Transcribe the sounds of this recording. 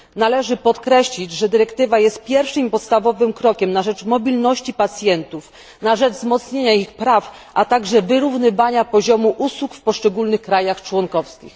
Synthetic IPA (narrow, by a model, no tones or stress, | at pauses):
nalɛʐɘpɔt̪kɾɛɕlʲid͡ʑʐɛd̪ɘɾɛkt̪ɘvajɛst̪̚pʲjɛɾfʂɘmpɔt̪st̪avɔvɘmkɾɔkʲɛmnaʐɛt͡ʂmɔbʲilnɔɕt͡ɕipat̪sʲjɛnt̪uf | naʐɛd͡ʐzmɔt̪sɲeɲaixpɾafʔat̪aɡʐɛvɘɾuvnɘvaɲapɔʑɔmuʔuswukfpɔʂt͡ʂɛɡulnɘxkɾajaxt͡ʂwɔŋkɔfskʲḭx